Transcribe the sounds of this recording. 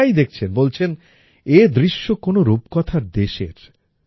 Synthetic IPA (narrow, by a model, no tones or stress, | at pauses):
ajd̪ek̚ʰt͡ɕʰenbolt͡ɕʰen | ed̪ɾiʃːokonoɾub̚kɔt̪ʰaɾd̪eʃḛɾ